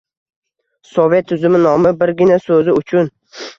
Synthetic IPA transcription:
sovet̪ʰːʊzɪmɪnɒmɪbɪɾɡʲɪnasɵzɪʊt͡ʃʰʊn

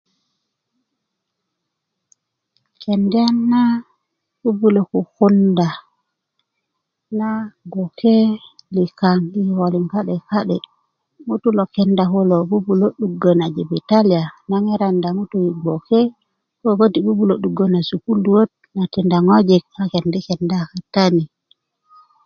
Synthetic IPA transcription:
kɛndanːa | bubulokukunda | naɡokʰɛlikaŋhiwoliŋkaɗɛkaɗɛ | mutulokɛndakolobubuloɗuɡonad͡ʒibitalijanaŋɛɾandamutuwiɡokɛ | kobodibubuloɗuɡːonasukulduwot̚ | natindaŋod͡ʒɛk̚akɛndɛkɛndakatani

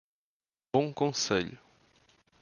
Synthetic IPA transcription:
bõkõseʎʊ

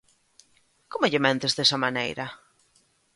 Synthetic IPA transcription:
komoʎɪmẽnt̪ezðesɐmanḛjɾɐ

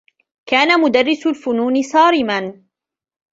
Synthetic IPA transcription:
kaːnamʊd̪ɑrːɪsʊlfʊnuːnɪsˤɑːɾɪman

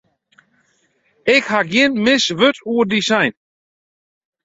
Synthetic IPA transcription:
ɛkhaɡiənmɪsʋøtuːədisajn

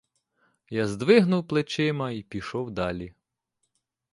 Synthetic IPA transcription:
jazd̪ʋɪɦnʊwplˠet͡ʃɪmɐipʲiʃɔwd̪ɑlʲi

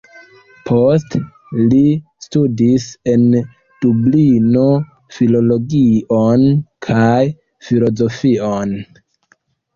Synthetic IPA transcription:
pʰo̞s̬t | listudise̞n | d̥ublino̞ | filo̞lo̞ɡionkʰaj | filo̞zo̞fion

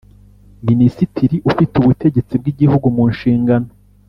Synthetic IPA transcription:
minisitʰiɾiʔufiteuβute̞ɟe̞t͡sib̚ɡiɟihuɡumuːnʃiːŋɡano

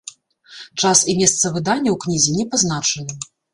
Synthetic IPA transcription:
t͡ʂasimʲɛst̪sɐvɨd̪anʲːɐwknʲizʲinʲɛpaznat͡ʂɐnɨ

